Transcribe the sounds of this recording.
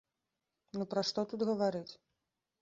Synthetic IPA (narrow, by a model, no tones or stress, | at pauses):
nupɾɐʂt̪ɔt̪ud̪ɣɐvaɾɨt͡sʲ